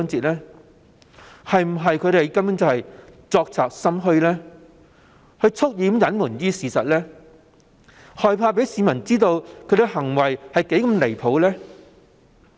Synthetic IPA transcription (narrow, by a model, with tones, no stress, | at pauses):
ŋt͡siː˨˧t̚lɛː˥ | hɐ˨jm̩˨˩ɦɐ˨jkʰɵ˨˧ɥɾe˨jkɐ˥mjʊ˨˥nt͡sɐ˨˧hɐ˨jt͡sɔː˧k̚t͡sʰaː˨k̚sɐ˥mɦɵ˧ɥlɛː˥ | hɵ˧ɥt͡sʰʊ˥k̚jiː˨˧˥mjɐ˨˥nmuː˨˩njiː˥siː˨sɐ˨t̚lɛː˥ | hɔː˨jpʰaː˧pe˨˥jsiː˨˧mɐ˨˩nt͡siː˥t̪o˧wkʰɵ˨˧t̪ɪ˧ɦɐ˨˩ŋwɐ˨˩jhɐ˨jke˨˥jkɐ˧mle˨˩jpʰo˨˥wlɛː˥